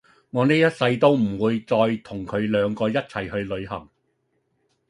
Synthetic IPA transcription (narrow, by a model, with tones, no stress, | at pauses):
ŋɔː˨˧neː˥jɐ˥t̚sɐ˧jt̪o˥wm̩˨˩wuː˨˧jt͡sɔː˧jt̪ʰʊ˨˩ŋkʰɵ˨˧ɥlœː˨˧ŋkɔː˧jɐ˥t̚t͡sʰɐ˨˩jhɵ˧ɥlɵ˨˧ɥhɐ˨˩ŋ